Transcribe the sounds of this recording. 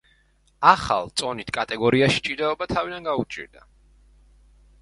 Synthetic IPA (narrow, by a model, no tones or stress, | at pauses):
aχa̰lˠt̪sʼɔnit̪ʰkʼat̪ʼɛɡɔɾiaʃi̥t͡ʃʼiɾd̪ɛɔbat̪ʰavid̪anɡaut͡ʃʼḭɾd̪a